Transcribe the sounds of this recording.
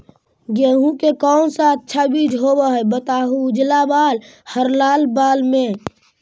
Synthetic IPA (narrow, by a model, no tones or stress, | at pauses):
ɡeɦũkekɔʊnsə̃ət̪ːʃʰabid͡ʒɦobəɦəbət̪aɦud͡ʒlabalhəɾlalbalme